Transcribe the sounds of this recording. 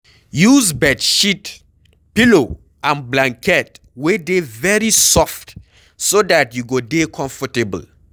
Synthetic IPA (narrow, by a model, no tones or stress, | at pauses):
juzbɛdʃit | pilo | ãnblãŋkʰɛt | wedevɛɹisɔft | sodatjuɡodekʰɔ̃ɱfɔtebə̰l